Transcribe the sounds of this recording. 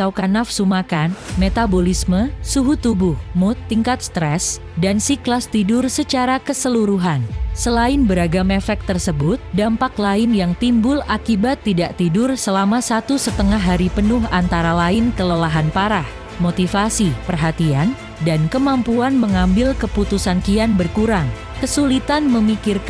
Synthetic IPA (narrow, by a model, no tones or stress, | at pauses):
awkanafsumakanmet̪abolisməsuɦut̪ubʊhmʊt̪ːiŋkat̪̚st̪ɾɛs | dansiklast̪idʊrsət͡ʃaɾakəsəluɾuɦansəlaɪnbəɾaɡamefɛk̚t̪ərsəbʊt̪̚dampaklaɪnjaŋt̪imbʊlakibat̪ːidaʔt̪idʊrsəlamasat̪usət̪əŋaɦːaɾipənʊhant̪aɾalaɪnkələlaɦanpaɾah | mot̪ifasipərɦat̪ian | dankəmampuanməŋambɪlkəput̪usankianbərkuɾaŋ | kəsulit̪anməmikɪrk